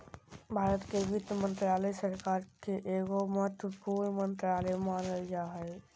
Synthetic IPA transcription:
bʱaːɾət̪keʋɪd̪jəmə̃nt̪ɾaləsəɾkaɾkeʔeɡoməɦət̪wəpuɾnmənt̪ɾaləmanəld͡ʒaɦɛ

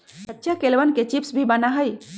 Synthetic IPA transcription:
sətːʃʰakelʋənket͡ʃipsbʱibənaɦəj

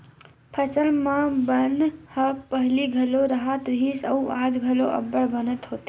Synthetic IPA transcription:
pʰəsəlmãbənhəpəɦliɡʱəloɾəɦət̪ɾɦisəuad͡ʒɡʱəloʔɐ̰bːəɽbənət̪ɦoːt̪e

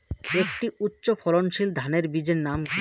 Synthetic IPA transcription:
ekʈiutːɕofʰɔlonʃild̪ʱaneɾbid͡ʑeɾnam

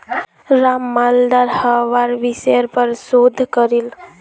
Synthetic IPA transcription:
ɾamːald̪aɾhəʋaɾʋisəəɾpəɾsod̪ʱkəɾil

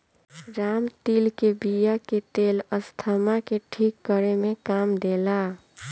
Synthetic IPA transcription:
ɾamt̪ilkebijaket̪eləst̪ʰəmakeʈʰikːəɾemekamd̪ela

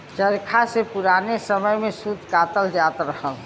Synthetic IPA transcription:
t͡ʃəɾkʰasepuɾanesəməjmẽsud̪kat̪əld͡ʒaːt̪ɾəɦəl

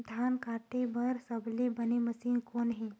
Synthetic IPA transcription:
d̪ʱankaʈebʱəɾsəblibəniməsiːnkonɦi

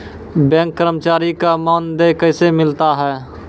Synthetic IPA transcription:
bɛ̃ːŋkːəɾəmt͡ʃaːɾikamaːnd̪ekəɪsemɪlt̪aɦɛː

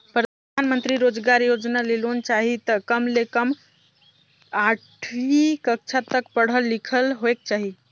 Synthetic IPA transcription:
pɾəd̪ʱanmənt̪ɾiɾod͡ʒɡaɾjod͡ʒnalelont͡ʃaɦit̪əkəmlekəm | aʈʰikəkt͡ʃʰat̪əkpəɽ̤əlːikʰəlɦoek̚t͡ʃaɦi

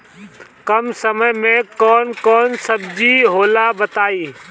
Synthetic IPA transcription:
kɐmsəməjmẽkɔːnkɔːnsəbd͡ʒiɦoːlabət̪aːiː

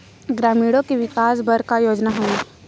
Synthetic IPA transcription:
ɡɾaːmiːɽõkeʋɪkaːsbɐɾkajoːd͡ʒnaɦõe

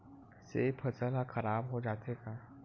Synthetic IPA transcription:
seːpʰəsəlakʰɐɾaːbɦod͡ʒaːt̪eka

